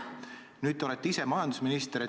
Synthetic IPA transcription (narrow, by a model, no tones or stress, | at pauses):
nyːd̪ˑo̞let̪ːeise̞mɑjɑnd̪usminist̪eɾi